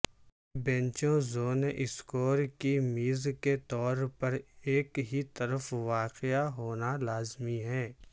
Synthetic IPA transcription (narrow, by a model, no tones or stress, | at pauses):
bɛ̃nt͡ʃõzoːnʔɪskoːɾkimiːzket̪ɔːɾpɐɾeːkɦit̪əɾəfʋaːqɪjaɦoːnalaːzmiɦɛ̃ː